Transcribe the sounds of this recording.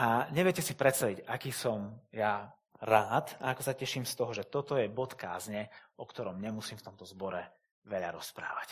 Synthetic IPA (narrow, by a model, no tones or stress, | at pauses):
ʔaɲɛʋjɛcɛsipɾɛt̪st̪aʋicakiːsɔmja | ɾaːt̪aakɔsacɛʃiːmst̪ɔɦɔʒɛt̪ɔt̪ɔjɛbɔt̪ka̰ːzɲɛɔkt̪ɔɾɔmɲɛmusiːmft̪ɔmt̪ɔzbɔɾɛ | ʋɛʎa̰ɾɔspɾa̰ːʋac